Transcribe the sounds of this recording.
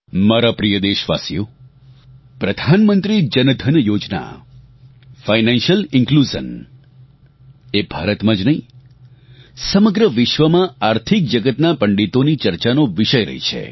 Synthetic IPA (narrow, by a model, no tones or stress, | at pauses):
maɾapɾijəd̪eʃʋa̰sijo | pɾəd̪ʱanmənt̪ɾid͡ʒənd̪ʱənjod͡ʒna̰ | fainãnʃjəlɪŋklud͡ʒə̰n | ebʱaɾət̪mãd͡ʒnəĩ | səməɡɾəʋɪʃʋəmãaɾt̪ʰik̚d͡ʒəɡət̪napəɳɖit̪onit͡ʃəɾt͡ʃanoʋɪʃəjɾə̰ɦḭt͡ʃʰḛ